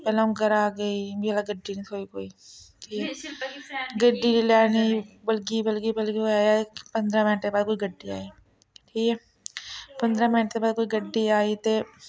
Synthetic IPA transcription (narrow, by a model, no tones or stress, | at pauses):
pɛːlaːũɡəɾaːɡəiːbiːɛlaɡəɖːiːnĩːoːiːkoːiːʈʰiːkɛ | ɡəɖiːlaːniːbəlɡiːbəlɡiːbəlɡiaːiapə̃nd̪ɾãːmɪnʈ̪ːeːbaːd̪̚koːiːɡəɖːiːa̰ːiː | ʈʰiːkɛː | pə̃nd̪ɾãːmɪnʈ̪ːebaːd̪̚koːiːɡəɖːiːaːiːt̪eː